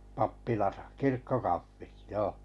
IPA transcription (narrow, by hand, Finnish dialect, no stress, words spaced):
pɑpːilɑsɑ kirkːokɑfːit joː